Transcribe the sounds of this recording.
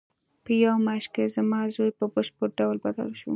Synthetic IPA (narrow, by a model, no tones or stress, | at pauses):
pəjawmaʃkezamɑzojpəbəʃpəɾ̚ɖawlbad̪a̰lʃṵ